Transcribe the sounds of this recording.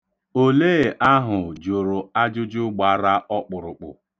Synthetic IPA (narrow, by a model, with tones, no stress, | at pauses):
o˦leː˦˨ʔa˦ɦʊ˨d͡ʒo˨ɾo˨a˦d͡ʒʊ˦d͡ʒʊ˦ɡ͡ba˨˦ɾa˦ʔɔ˦k͡pʊ˨ɾʊ˨k͡pʊ̰˨